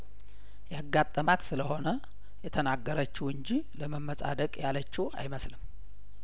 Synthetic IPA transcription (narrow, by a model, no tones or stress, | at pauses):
jaɡːat̪ʼːəmat̪sɨləho̞nə | jɛt̪ʰənaɡːəɾət͡ʃːɪwɨɲd͡ʒiləməmːəsʼa̰d̪əkʼjalət͡ʃːɪwa̰jməslɨm